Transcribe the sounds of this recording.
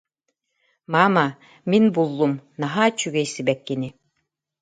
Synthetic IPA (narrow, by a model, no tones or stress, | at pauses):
mama | minbulˠːumnaɦaːt͡ɕyɡɛjsibɛkːini